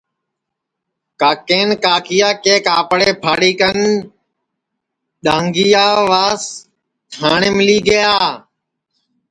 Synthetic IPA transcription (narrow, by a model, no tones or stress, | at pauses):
kaːkeːnkaːkijaːkeːkaːpɽeːpʰaːɽiːkən | ɗãːŋɡiːaːʋaːs | t̪ʰaːɳeːmɪliːɡəjaː